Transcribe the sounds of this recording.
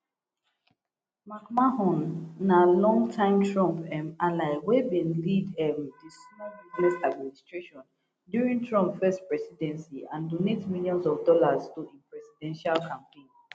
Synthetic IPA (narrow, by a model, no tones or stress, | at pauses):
makmahɔ̃nːalɔ̃ŋtʰãɪ̃mtʰɹɔ̃mpɛmalaɪwebĩnlidɛmdismɔbiznɛsad̚ministɹeʃɔ̃n | djuɹĩŋtʰɹɔ̃mpfɛstpɹɛsidɛ̃nsiãndonetmiljɔ̃nsɔvdɔlaztudĩnpɹɛsidɛ̃nʃalkʰãmpẽɪ̃n